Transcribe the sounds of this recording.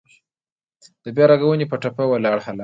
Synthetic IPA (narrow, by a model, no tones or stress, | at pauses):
d̪̥əbjɑɾaɡawunepəʈapawəlɑɽhala